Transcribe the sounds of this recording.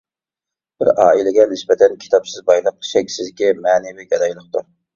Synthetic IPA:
b̥ɪ̰ɾɑ̰ːilɪɡʲɛnɪsbɛt̪ʰɛnkʲʰi̥t̪ʰɑpsɪzbɑjlˠəq̚ʃɛkʲsɪzd̪ɪkʲimɛːnɪviɡʲɑd̪ɑjlˠəχt̪uɾ

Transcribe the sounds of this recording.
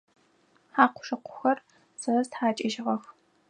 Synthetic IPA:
ħaːqʷʰʊ̥ʂɨqʷʰʊ̥xɐr | sɐɐstħaːt͡ʃʼɪʒɪʁɐx

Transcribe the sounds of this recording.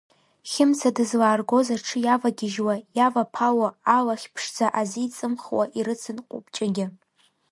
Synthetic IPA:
χʲɪmt͡sʰadɨzlaːrɡo̞zarʈ͡ʂʰɨjavaɡʲɪʒwajavapʰawaːlaχʲpʰʂd͡zaʔaziːt͡sʼɨmχwaʔiɾɨt͡sʰɨnqʷʼʊ̰pt͡ʃʼaɡʲɪ

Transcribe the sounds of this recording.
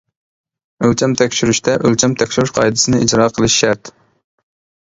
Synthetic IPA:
ølt͡ʃʰɛmt̪ʰɛkʲʃyɾyʃt̪ʰɛʔølt͡ʃʰɛmt̪ʰɛkʲʃyɾyʃqʰɑjd̪ɨsɨnɨʔid͡ʒɾɑːqʰəlˠɨʃʃæɾt̪

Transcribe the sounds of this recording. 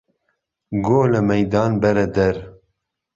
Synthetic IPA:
ɡoːləmɛjd̪ɑːnbɛɾɛd̪ɛɾ

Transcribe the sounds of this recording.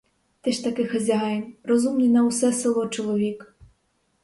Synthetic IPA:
t̪ɛʃt̪ɐkɪxɐzʲɐɦɑjɪmrɔzumnʲinɐwsɛselˠɔt͡ʃɔlˠɔʋʲik

